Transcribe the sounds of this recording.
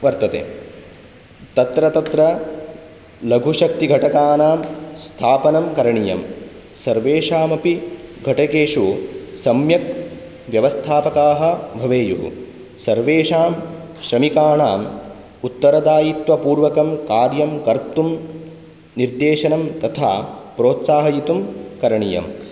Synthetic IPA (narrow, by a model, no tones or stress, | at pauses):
ʋɐɾt̪ɐt̪ḛː | t̪ɐt̪ɾɐt̪ɐt̪ɾɐ | lɐɡʱuʃɐk̚t̪iɡʱɐʈɐkaːnaːmst̪ʰaːpɐnɐmkɐɾɐɳijɐ̰m | sɐɾʋeːʂaːmɐpiɡʱɐʈɐkeːʂusɐmjɐk | ʋjɐʋɐst̪ʰaːpɐkaːɦɐ̆bʱɐʋeːjuɦṵ | sɐɾʋeːʂaːm | ʃɾɐmikaːɳaːm | ut̪ːɐɾɐd̪aːjit̪ʋɐpuːɾʋɐkɐmkaːɾjɐmkɐɾt̪um | niɾd̪eːʃɐnɐmt̪ɐt̪ʰa̰ːpɾoːt̪saːɦɐjit̪umkɐɾɐɳijɐ̰m